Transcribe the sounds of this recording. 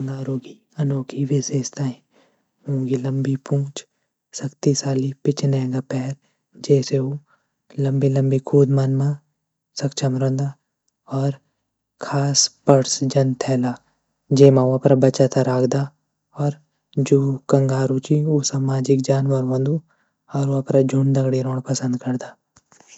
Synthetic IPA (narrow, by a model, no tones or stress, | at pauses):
ŋɡaːɾoːɡi | ɐnoːkʰiʋɪseːst̪aːĩ | ɦũːɡilɐmbipũːt͡ʃ | sɐkt̪isaːlipɪt͡ʃnɛːɡapɛːɾ | d͡ʒɛːseu | lɐ̃mbilɐ̃mbikʰuːd̪manmã | sɐkt͡ʃʰəmɾə̃nd̪a | ɔːɾ | kʰaːspəɾsd͡ʒɐnt̪ʰɛːlaː | d͡ʒeːmãʊapɾabɐt͡ʃat̪ʰaɾaːkʰd̪a | ɔːɾ | d͡ʒoːkɐ̃ŋɡaːɾut͡ʃiosaːmaːd͡ʒɪk̚d͡ʒaːnʋɐɾʋɐ̃nd̪u | ɔːɾoapɾad͡ʒʱʊɳd̪ɐɡɽiɾõːɽ̃pɐsə̃nd̪kɐɾd̪aː